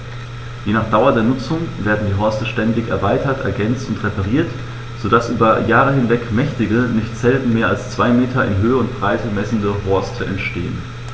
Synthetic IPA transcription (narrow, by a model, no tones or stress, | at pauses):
jeːnaːχd̥aʊɐdeːɐnʊt͡sʊŋveːɐdn̩diːɦɔɐstəʃtɛndɪçɛ̰ɐvaɪtɐtʔɛ̰ɐɡɛnt͡stʊntʁepaʁ̞iːɐt | z̥odasʔyːbɐjaːʁ̞əhɪnvɛkmɛçtɪɡənɪçtz̥ɛltn̩meːɐalst͡sv̥aɪmeːtʰɐɪ̰nɦøːəʊnt̚b̥ʁaɪtʰəmɛsn̩dəɦɔɐstʰəʔɛ̰ntʃteːən